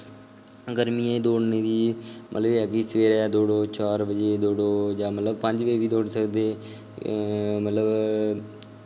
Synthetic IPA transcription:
ɡəɾmiːẽːd̪oːɽneːd̪iːmʔə̰t̪ləbaːkiːsəʋeːɾɛːd̪oːɽoːt͡ʃaːɾbəd͡ʒeːd̪oːɽoːd͡ʒaːmət̪ləbpə̃ɲd͡ʒʋeːʋiːd̪oːɽsəkd̪eː | mət̪ləb

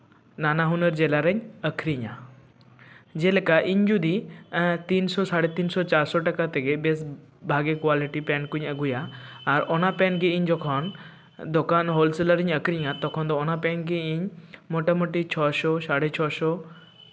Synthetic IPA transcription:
nanaɦunəɾd͡ʒelaɾəɲəkʰɾiɲa | d͡ʒelekaʔiɲd͡ʒud̪it̪insɔsaɽet̪insɔt͡ʃaɾsɔʈəkat̪eɡebes | bʱaɡekwaliʈipɛnkuɲəɡujaːɾɔnapɛnɡiiɲd͡ʒɔkʰɔn | d̪ɔkanɦɔlseləɾiɲəkʰɾiɲat̪ɔkʰɔnd̪ɔːnapɛnɡiiɲmɔʈamoʈit͡ʃʰɔsɔsaɽet͡ʃʰɔsɔ

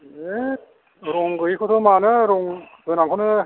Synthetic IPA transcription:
e | ɾɔŋɡɯjkʰɯtʰɔmanɯɾɔŋ | z̥ɯjnaŋkʰɔnɯ

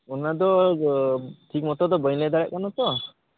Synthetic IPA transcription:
unad̪ɔ | ʈʰik̚mɔt̪ɔd̪ɔbəjlɛd̪aɽɛʔ̚kanɔt̪ɔ

